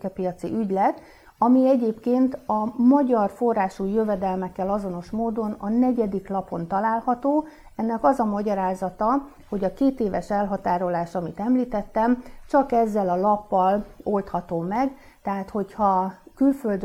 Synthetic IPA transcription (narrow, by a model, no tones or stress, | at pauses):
kɛpijɒt̪sḭʔyɟlɛt̪ | ɒmiɛɟeːpkeːnt̪ɒmɒɟɒrfo̞rːaːʃujø̞vɛd̪ɛlmɛkːɛlɒzo̞no̞ʃmoːd̪o̞nɒnɛɟɛd̪iklɒpo̞nt̪ɒlaːlhɒt̪oː | ɛnːɛkɒzɒmɒɟɒɾaːzɒt̪ɒ | ho̞ɟɒkeːt̪eːvɛʃɛlɦɒt̪aːɾo̞laːʃɒmit̪ɛmliːt̪ɛt̪ːɛmt͡ʃɒkɛzːɛlɒlɒpːɒlo̞lt̪hɒt̪oːmɛɡ | t̪ɛɦaːt̪ho̞chɒkylføld̪